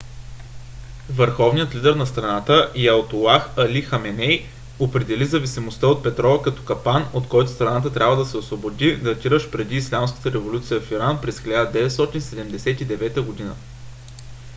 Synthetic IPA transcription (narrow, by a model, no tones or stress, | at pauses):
vəɾxɔvnijət̪lid̪ɛɾnɐst̪ɾɐnat̪əʔiɐlˠt̪olˠaxɐlixɐmɛnɛj | opɾɛd̪ɛlizɐvisimost̪əot̪̚pɛt̪ɾɔvəkɐt̪ɔ̥kɐpanot̪kɔjt̪ʊ̥st̪ɾɐnat̪ət̪ɾʲabvəd̪ɐsɛosvobod̪id̪ɐt̪iɾəʃpɾɛd̪iːslʲamskə̥t̪əɾɛvolʲut̪sijəfiɾanpɾɛsxilʲad̪əd̪ɛvɛt̪st̪ɔt̪insɛd̪ɛmd̪ɛsɛt̪id̪ɛvɛt̪əɡod̪inə̰